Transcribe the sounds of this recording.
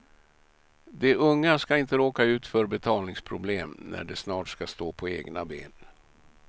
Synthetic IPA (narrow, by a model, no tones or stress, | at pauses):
d̪ɛʔɵŋːaskaɪnt̪əɾoːkaʉ̟ːt̪fœːɾbɛt̪ʰɑːlnɪŋspʰɾʊbleːmnæ̰ɖɛsnɑːʈskast̪oːpʰɔeːɡnabḛːn